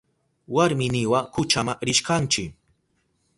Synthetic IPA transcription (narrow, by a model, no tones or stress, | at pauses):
waɾmɪnɪwakʊt͡ʃamaɾɪʃkant͡ʃɪ